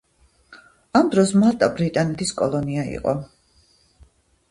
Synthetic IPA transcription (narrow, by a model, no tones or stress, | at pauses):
amd̪ɾɔsmalˠt̪ʼabɾit̪ʼanɛt̪ʰiskʼɔlˠɔniaḭqʼɔ̰